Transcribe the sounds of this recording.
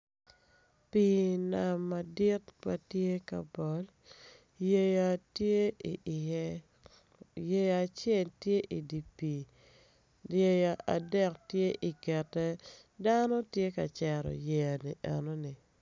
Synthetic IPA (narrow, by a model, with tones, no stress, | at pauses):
pi˨na˨mːa˨dɪ˦tpa̰˨tje˦ka̰˨bɔ˨l | je˦ja˦tje˦i˨ʔɪ˨jɛ˦ | je˦ja˨t͡ʃɛ˦˨ltje˦ʔi˨di˨pi˨ | je˦ja˨ʔa˨dɛ˦˨ktje˦ʔi˨kɛ˨tːɛ˦ | da˦no˦tje˦ka˨t͡ʃɛ˨ɾɔ̰˨je˨a˨nḭ˨ʔɛ̰˨no˦ni˨